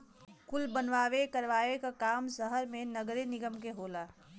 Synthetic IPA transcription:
kʊlbənʋaːʋekəɾʋaːʋekakaːmsəɦəɾmẽnəɡɾenɪɡəmkeɦoːlaː

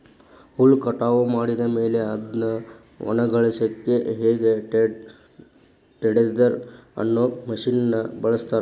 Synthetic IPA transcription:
huɭkɐʈaːʋɐmaːɽid̪ɐmeːle̞ɐd̪nɐ | ɔ̰nɐɡɐɭɐsɐkːeɦeːɡe | ʈeɽed̪ɐɾɐ̰nːoːmɐʂiːnɐnːɐbɐɭɐst̪aːɾ

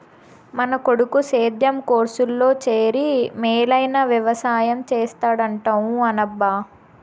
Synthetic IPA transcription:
mɐnɐko̞ɽukuseːd̪ʱjɐmkoːɾsulːo̞ːt͡ʃeːɾimeːlɐjnaːʋjɐʋɐsaːjɐmt͡ʃeːst̪aːɽɐɳʈɐwuɐnɐbːaː

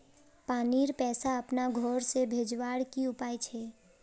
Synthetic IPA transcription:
paːniɾpɛːsaəpnaɡʱɔːɾsebʱed͡ʒʋaːɽkiʊpaːjt͡ʃʰɛ

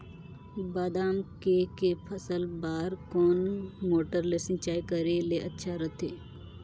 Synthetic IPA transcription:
baːd̪aːmkekepʰəsəlbaːɾkɔːnmoːʈəɾlesɪ̃nt͡ʃaːikəɾeleʔɐtːʃʰaɾət̪ʰeː

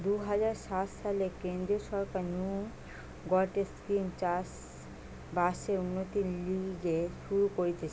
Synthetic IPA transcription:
d̪uɦad͡ʑaɾʃat̪ʃalekend̪ɾioʃɔɾkaɾnju | ɡɔɾʈeskimt͡ɕas | baʃeɾunːot̪iliɡeʃuɾukoɾit̪ʰet͡ɕʰ

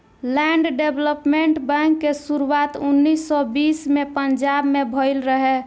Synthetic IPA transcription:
lɛɳɖɖebləpmeɳʈbɛ̃ŋkːesuɾuat̪unːisːɔbismepənd͡ʒabmebʱɔɪlɾəɦɛ

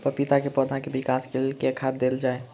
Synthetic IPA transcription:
pəɾpit̪akepɔd̪ʱakebikaskelkekʰaɾd̪eld͡ʒaːe

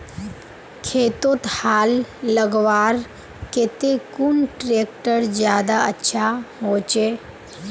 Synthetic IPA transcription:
kʰeːt̪ot̪haːlːəɡʋaːɾ | ket̪ekunʈɾeːk̚ʈəɾd͡ʒjaːd̪aətːʃʰaɦoːt͡ʃe

